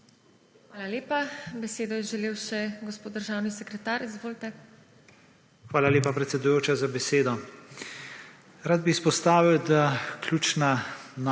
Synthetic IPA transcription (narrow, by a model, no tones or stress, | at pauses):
xʋaːlaleːpabɛseːd̪ɔjɛʒɛleːwʃɛɡɔspoːt̪d̪əɾʒaːwnisɛkɾɛt̪aːɾizʋoːlt̪ɛ | xʋaːlalʲeːpapɾɛt̪sɛd̪ujoːt͡ʃazabɛseːd̪ɔ | ɾaːd̪̚biːspɔst̪aːʋiwd̪aklʲjuːt͡ʃnan